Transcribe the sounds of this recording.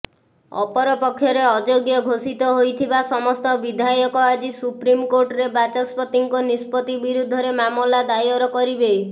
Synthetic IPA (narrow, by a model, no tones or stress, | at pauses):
ɔ̰pɔɾɔpɔkʰːjɔɾeɔd͡ʒoɡjɔɡʱosit̪ɔɦojt̪ʰibasɔmɔst̪ɔbid̪ʱajɔkɔad͡ʒisupɾimkoɾʈɔɾebat͡ʃɔspɔt̪iŋkɔnispɔt̪ibiɾud̪ʱɔɾemamlad̪ajɔɾɔkɔɾibe